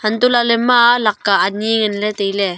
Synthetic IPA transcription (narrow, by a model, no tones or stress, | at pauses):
hɐnt̪ʊlalɛmalakkːaʔaniŋɪnlɛt̪ejlɛ